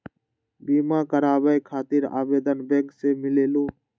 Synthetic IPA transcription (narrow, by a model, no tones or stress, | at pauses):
biːmãːkəɾaːʋəekʰaːt̪ɪɾa̰ːʋeːd̪ənbẽːŋkseːmɪleːloː